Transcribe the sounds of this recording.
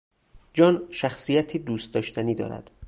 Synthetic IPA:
d͡ʒɒːnʃæxsijæt̪ʰiːd̪uːst̪d̪ɒːʃt̪ʰæniːd̪ɒ̰ːɾæ̰d̪̥

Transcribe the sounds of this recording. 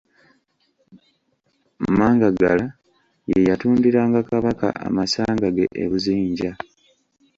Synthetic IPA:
maːŋɡaɡala | jejatuːndiɾaːŋɡakaβaka̰ʔa̰masaːŋɡaɡe̞̰ʔḛβuziːɲɟa

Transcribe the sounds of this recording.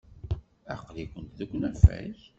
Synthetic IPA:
æ̰qlikʷənt̪ðəkʷːnæfæ̰ç

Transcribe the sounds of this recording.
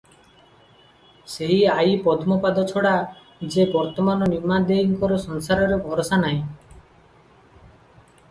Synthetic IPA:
seɦiaipɔd̪ʰmɔpad̪ɔt͡ʃʰɔɽa | d͡ʒebɔɾt̪ɔmanɔnimad̪eiŋkɔɾɔsɔnsaɾɔɾebʱɔɾɔsanaj̃

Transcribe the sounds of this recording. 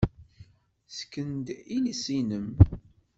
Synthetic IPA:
skːənd̪ilisinəm

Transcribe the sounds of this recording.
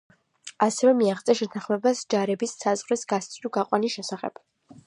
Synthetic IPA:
asɛvɛmiaχt̪sʼɛʃɛt̪ʰãχmɛbasd͡ʒaɾɛbisːazʁɾisɡast̪sʼt̪ʰuɡaqʼwanisʃɛsaχɛ̰b̥

